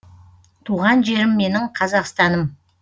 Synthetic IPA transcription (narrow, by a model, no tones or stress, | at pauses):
t̪ʰuʁɑnʒe̞ɾɪmːe̞nɪɴqʰɑzɑqst̪ɑnəm